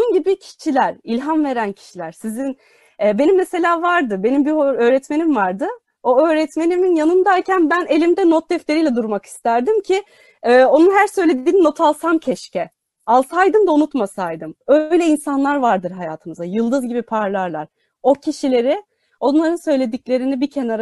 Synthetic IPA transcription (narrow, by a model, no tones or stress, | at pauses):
ounɟibicʰi̥ʃilʲæɾilʲɦamve̞ɾæncʰi̥ʃilʲæɾ̥sizin | ɛːbe̞nimːese̞lʲaːvaɾd̪ɯbe̞nimbioɾø̞ːɾɛt̪me̞nimvaɾd̪ɯ | o̞ø̞ːɾɛt̪me̞niminjanɯnd̪aɾcʰænbæne̞lʲimd̪ɛnot̪̚d̪ɛft̪e̞ɾijlʲɛd̪uɾmaki̥st̪ʰæɾd̪imcʰi | ɛːo̞nunɦæɾsø̞jle̞d̪iːnino̞t̪ʰalˠsancʰɛʃcɛ | alˠsajd̪ɯmd̪aunut̪masajd̪ɯmø̞jlʲɛinsanlˠaɾvaɾd̪ɯɾɦajaːt̪ʰɯmɯzajɯlˠd̪ɯzɟibipʰaɾlˠaɾlˠaɾ̥ | o̞cʰiʃilʲe̞ɾɪ | o̞nnˠaɾɯnsø̞jlʲe̞d̪iclʲe̞ɾinibicʰenaɾ